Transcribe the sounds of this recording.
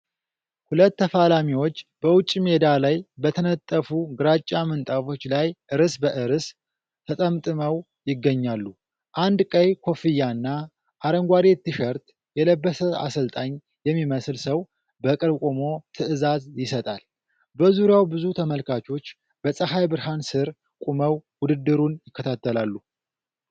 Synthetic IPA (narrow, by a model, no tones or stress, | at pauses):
hulət̪ːəfalamiwo̞t͡ʃːb̥əwʊt͡ʃʼːme̞d̪alajbət̪ʰənət̪ʼːəfuɡɨɾat͡ʃʼːamɨnt̪ʼafo̞t͡ʃːlajʔɨɾɨsbəʔɨɾɨsʰ | ət̪ʼəmt̪ʼɨməw | jɪɡːəɲːalːu | ʔand̪kʼəjkʰo̞fɨjːanːa | ʔaɾəŋɡʷad̪e̞t̪ːɨʃəɾt̪ | jɛləbːəsəa̰səlt̪ʼaɲ | jɛmːiməslsəw | bəkʼɨɾkʼomo̞t̪ʰɨʔɨzazjɪsət̪ʼal | bəzuɾjawbɨzut̪ʰəməlkʰat͡ʃʰo̞t͡ʃː | bəsʼəɦajbɨɾhansɨɾ | kʼuməwwʊd̪ɨd̪ːɨɾunjɪkʰːət̪ʰat̪ʰːəlalːu